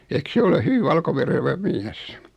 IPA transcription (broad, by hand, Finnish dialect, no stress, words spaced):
eĭk se ole hyʋi ʋɑlkoʋereʋæ miæs